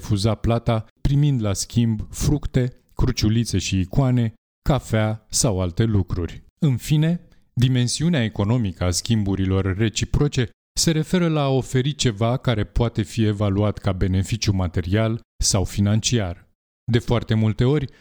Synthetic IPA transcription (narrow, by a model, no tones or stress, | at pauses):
fuzaplat̪apɾimind̪laskʲimbfɾukt̪e̞ | kɾut͡ʃulit̪se̞ʃiːkwane̞ | kafeasawalt̪e̞lukɾṵrʲ | ɨnfine̞ | d̪ime̞nsiuneaeko̞no̞mikəaskʲimbuɾilo̞rːe̞t͡ʃipɾo̞t͡ʃe̞ | se̞ɾe̞fe̞ɾəlaːo̞fe̞ɾit͡ʃe̞vakaɾe̞poat̪e̞fie̞valuat̪kabe̞ne̞fit͡ʃjumat̪e̞ɾialsawfinant͡ʃiar | d̪e̞foart̪e̞mult̪e̞o̞rʲ